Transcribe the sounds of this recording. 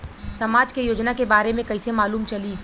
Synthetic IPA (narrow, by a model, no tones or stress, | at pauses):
sɐmaːd͡ʒkejoːd͡ʒnakebaːɾemẽkɐisemaːluːmt͡ʃɐliː